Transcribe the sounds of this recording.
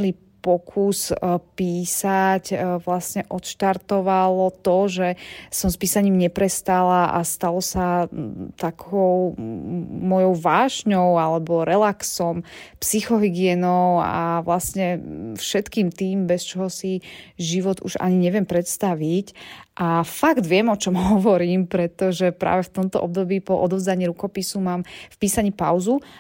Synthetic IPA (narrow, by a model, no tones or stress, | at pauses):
li | pɔkʰuspiːsacʋlasɲɛʔɔt̪ʃt̪aɾt̪ɔʋalɔt̪ɔʒɛsɔmspiːsaɲiːmɲɛpɾɛst̪alaʔa̰st̪alɔsat̪akʰɔʊ | mɔjɔʊʋaːʒɲɔʊalɛbɔɾɛlaksɔmpsixɔɦiɡɪɛnɔʊa̰ʋlasɲɛfʃɛt̪kiːmt̪iːmbɛst͡ʃɔɦɔsiʒiʋɔd̪ṵʒa̰ɲiɲɛʋɪɛmpɾɛt̪st̪aʋicʔafaɡd̪ʋɪɛmɔt͡ʃɔmɦɔʋɔɾiːmpɾɛt̪ɔʒɛpɾa̰ːʋɛft̪ɔmt̪ɔ̰ʔɔb̚d̪ɔbiːpɔʔɔd̪ɔvzaɲiːɾukɔpisumaːmfpiːsaɲiːpa̰ʊzu